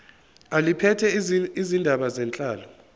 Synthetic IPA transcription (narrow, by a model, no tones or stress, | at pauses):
alipʰɛtʰɛizindʱaɓazɛnt͡ɬʼaːlɔ